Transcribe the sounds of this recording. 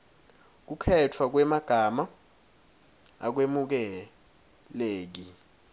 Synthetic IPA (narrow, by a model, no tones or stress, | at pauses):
k̬ukʰɛtʰwak̬wɛmaɡ̥ʱama | a̰k̬wemuk̬ɛ | leːk̬i